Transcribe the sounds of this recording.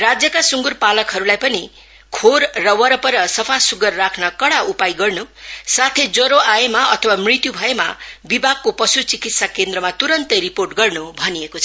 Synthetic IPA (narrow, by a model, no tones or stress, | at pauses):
rad͡zjʌkasuŋɡurpalʌkɦʌɾulajpʌni | kʰoɾːʌwʌɾʌpʌɾʌsʌpʰasuɡʌrːakʰnʌkʌɽaupajɡʌrnusat̪ʰed͡zʌɾoajemaʌt̪ʰʌwamrit̪jubʱʌemabibʱak̚kopʌsut͡sikit̪sakend̪ɾʌmat̪uɾʌnt̪ʌɾiporʈɡʌrnubʱʌniekot͡sʰʌʌ